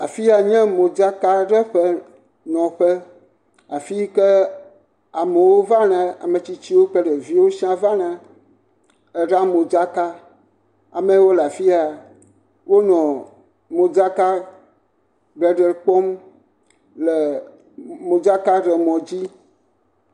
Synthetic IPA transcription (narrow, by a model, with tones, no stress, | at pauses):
a˨fi˦a˨ɲɛ̃˦mõ˨d͡ʒa˦ka˦ɖə˦ɸə˦ | nɔ̃˨ɸə˦ | a˨fi˦kɛ˦ | a˨me˨wo˦va˦nã˨a̰˨me˨t͡ɕi˨t͡ɕi˦wo˦k͡pə˦ɖə˨vi˦wo˦si˦ã˦va˦nã˨ | e˨ɖa˦mo˨d͡ʒa˦ka˦ | a˨mɛ̃˦wo˦la˨fi˦a˨ | wo˦nɔ̃˨ | mõ˨d͡ʒa˦ka˦ | ɡ͡bɛ˨ɖə˨lk͡pɔ˦m | lɛ˨ | mo˨d͡ʒa˦ka˦ɖə˨mɔ̃˨d͡ʑi˦